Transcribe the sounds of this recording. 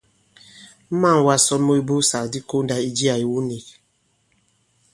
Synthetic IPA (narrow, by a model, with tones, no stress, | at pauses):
m̩˦ma˦˨ŋ˨wa˦sɔ˦nmo˦i˦bo˦sa˨kdi˦ko˦n˦da˨i˦d͡ʒi˦a˨i˨wu˦ni˨k̚